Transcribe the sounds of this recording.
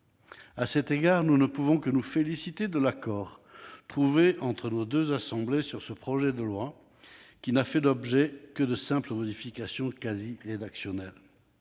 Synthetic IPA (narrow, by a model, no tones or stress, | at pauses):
asɛt̪eɡaʁnunəpuvɔ̃kənufelisit̪ed̪əlakɔːʁt̪χuveɑ̃t̪χənod̪øzasɑ̃blesyʁsəpχɔʒɛd̪əlwa | kʲinafɛd̪ɔbʒɛkəd̪əsɛ̃pləmɔd̪ifikasjɔ̃kaziʁed̪aksjɔnɛl